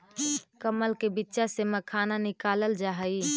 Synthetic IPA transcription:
kəməlkebɪtːʃaseməkʰaːnanɪkaːləld͡ʒaɦəi

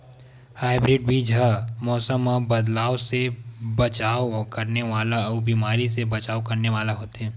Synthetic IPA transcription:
haːɪbɾɪɖ̚bʱiːd͡ʒʱəmɔːsəməbɐd̪laːosebɐt͡ʃaːokɐɾneʋaːlaɔːbiːmaːɾisebɐt͡ʃaːokɐɾneʋaːlaɦoːt̪eɦɛ̃ː

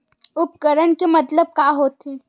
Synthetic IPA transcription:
ʊp̚kəɾənkemɐt̪ləb̚kaːɦoːt̪e

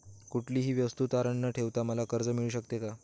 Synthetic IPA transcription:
kuʈʰliːɦiːʋjəst̪uːt̪aɾəɳːəʈʰeʋt̪aməlakəɾd͡zəmiɭuːɕəkt̪eka

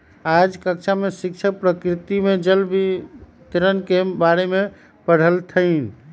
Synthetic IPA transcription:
ad͡ʒkəkt͡ʃʰamesikt͡ʃʰək̚pɾəkɾit̪imed͡ʒəlbi | t̪ɾənkebaɾeme | pəɽ̤əlt̪ʰəɪn

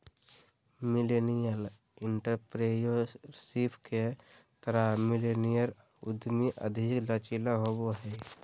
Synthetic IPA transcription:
mɪlenijəlɪɳʈəɾpɾejosipʰket̪əɾamilenijəɾʊ̰d̪miʔə̰d̪ʱiklət͡ʃilaɦoboɦɛ

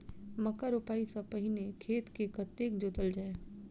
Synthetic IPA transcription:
mɐkəɾʊpaːisɐpəɦɪnekʰeːt̪kekət̪ːeːkd͡ʒod̪əld͡ʒae

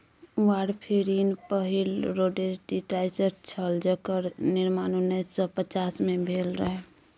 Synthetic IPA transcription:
waːɽpʰeɾiːnpəɦilɾoːɖeɾɖiʈaːɪsəɾt͡ʃʰəld͡ʒəkəɾnɪɾmaːnonesə̃pət͡ʃaːsmẽbʱeːlɾəɦɛ

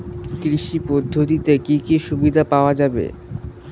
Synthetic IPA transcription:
kɾiʃipɔd̪ʱːot̪it̪ekikiʃubid̪ʱapaoad͡ʑabḛ

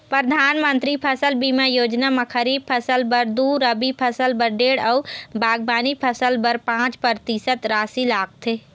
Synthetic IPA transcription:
pɾəd̪ʱaːnmə̃nt̪ɾipʰɐsəlbiːmãjoːd͡ʒnamãkʰəɾiːb̚pʰəsəlbəɾd̪uːɾəbipʰəsəlbəɾɖeːɽɐːbʱaːɡ̚baːnipʰəsəlbəɾpãːt͡ʃpəɾt̪isət̪ɾaːsilaːk̚t̪ʰeː

